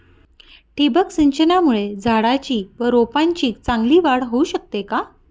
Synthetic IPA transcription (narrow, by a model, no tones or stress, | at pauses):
ʈibəksiɲt͡ɕənamuɭed͡zʱaɽat͡ɕiːʋəɾopãɲt͡ɕiːt͡sãŋɡliːʋaɽɦouɕək̚t̪eka